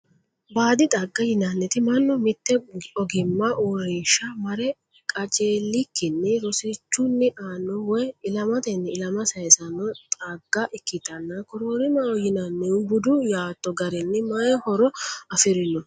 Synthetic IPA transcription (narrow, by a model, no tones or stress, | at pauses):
baːd̪ɪt̪ʼɐɡːɐjɪnɐnːɛt̪ɪmɐnːɔmɪt̪ːɛɔɡɪmːɐʔoɾeːʃːɐmɐɾɛ | kʼɐt͡ʃʼeːlːɪkːɪnːɛɾɔsɪt͡ʃːʊnːɛʔaːnːɔwɔjɪlɐmɐt̪ɛnːɛɪlɐmɐsɐjsɐnːɔt̪ʼɐɡːɐʔɪkːɪt̪ɐnːɐkɔɾoɾɪmɐwɔjɪnɐnːɛʊbʊd̪ʊjaːt̪ːɔɡɐɾɛnːɛmɐjɛhɔɾɔɐfɪɾɪnɔ